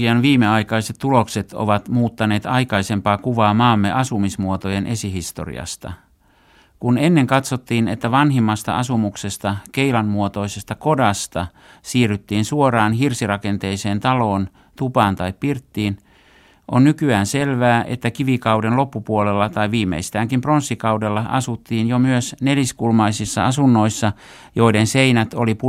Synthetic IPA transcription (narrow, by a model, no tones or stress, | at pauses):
iɑnʋiːmeɑikɑiset̪t̪ːulokset̪o̰ʋɑt̪muːt̪ːɑneːt̪ɑikɑise̞mpɑːkuʋɑːmɑːmːeʔɑsumismuot̪ojenʔe̞siɦist̪o̰rḭɑ̰st̪ɑ̰ | kunenːeŋkɑt̪sot̪ːiːnet̪ːæʋɑnɦimːɑst̪ɑ̰ɑsumukse̞st̪ɑkeilɑnmuot̪o̞isest̪ɑko̞dɑst̪ɑ | siːryt̪ːiːnsuorɑːnhirsirɑkent̪eiseːnt̪ɑloːn | t̪upɑːnt̪ɑippirt̪ːiːn | ʔonnykyæːnselʋæːʔḛt̪ːækiʋikɑudenlo̞pːupuolelːɑt̪ɑiʋiːmːḛist̪æːŋkimpronsːikɑudelːɑɑ̰sut̪ːiːnjomyøsneliskulmɑisisːɑ̰ɑsunːo̞isːɑ | jo̞idenseinæt̪olipu